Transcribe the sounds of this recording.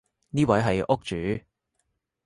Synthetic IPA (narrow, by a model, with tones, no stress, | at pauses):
niː˥wɐ˨˥jɦɐ˨jʔʊ˥k̚t͡ʃyː˨˥˦